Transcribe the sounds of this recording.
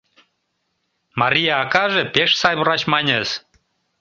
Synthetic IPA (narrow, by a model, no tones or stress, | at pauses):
mɑɾʲijɑːkɑʒepeʃsɑjβəɾɑt͡ɕmɑnʲez